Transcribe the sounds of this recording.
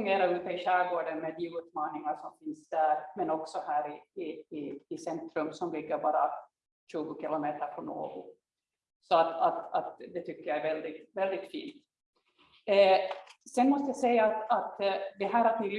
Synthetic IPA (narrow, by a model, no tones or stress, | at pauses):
ŋeːɾaʉ̟ːt̪əɪɕæːɾɡoːɖənmed̪iʉ̟ːt̪mɑːnɪŋaʂɔmfɪnsd̪̥æːɾmɛnɔksɔhæːɾɪɪː | sɛnt̪ɾɵmsɔmlɪɡːəɾbɑːɾa̰ | ɕʉ̟ːɡʊkɪlɔmeːt̪əɾpʰɔɳo̰ːɡʊ̰ | sɔat̪at̪at̪d̪ɛt̪ʰʏkːəjaɛɾvɛld̪ɪt̪vɛld̪ɪt̪fḭːnt̪ | sɛnmɔst̪əjasɛjːaːt̪at̪d̪ɛɦæːɾat̪nɪl